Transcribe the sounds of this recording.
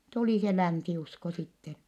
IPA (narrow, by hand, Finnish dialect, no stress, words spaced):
tuliˑ se lænsiusko sitːen̞